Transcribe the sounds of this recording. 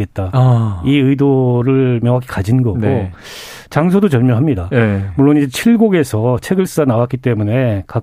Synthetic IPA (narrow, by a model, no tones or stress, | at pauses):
e̞t̚t͈aiɯidoɾɯɭmjʌŋɦaɡekad͡ʑinɡʌɡo | t͡ɕaŋsʰodot͡ɕʌɭmjʌɦamɲidamuɭːonid͡ʑet͡ɕʰiɭɡoɡe̞sʰʌt͡ɕʰe̞ɡɯɭs͈ɯɡanawak͈it͈e̞mune̞ka